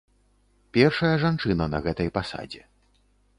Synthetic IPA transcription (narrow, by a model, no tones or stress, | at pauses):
pʲɛrʂɐjɐʐant͡ʂɨnɐnɐɣɛt̪ɐjpasa̰d͡zʲɛ